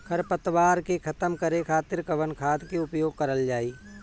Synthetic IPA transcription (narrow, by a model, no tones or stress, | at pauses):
kʰɐɾpət̪waːɾkekʰɐt̪əmkɐɾekʰaːt̪ɪɾkɐʋənkʰaːd̪keʊpjoːɡ̚kɐɾəld͡ʒaːiː